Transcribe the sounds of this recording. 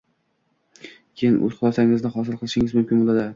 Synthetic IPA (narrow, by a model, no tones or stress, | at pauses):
kʲʰejɪnʔɵ̰zqʰʊlˠasaŋɪznɪχɒs̬ɪlˠqʰɨlˠɪʃɪŋɪzmʊmkʲɪnbolˠad̪ɪ